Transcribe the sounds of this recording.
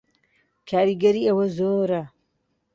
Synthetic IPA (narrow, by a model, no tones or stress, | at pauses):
kʰaːɾiɡɐɾiːɐwɐzoːɾa